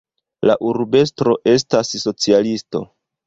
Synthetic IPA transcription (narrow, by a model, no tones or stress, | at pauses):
laʔuɾbe̞s̬tɾo̞ʔe̞stasːo̞t͡sialisto̞̰